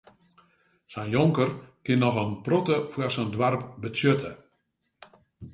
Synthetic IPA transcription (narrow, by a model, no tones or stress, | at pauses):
sɛnjoŋkərkɪnːɔxənprotəfwasəndwarp̚bətjøtʰə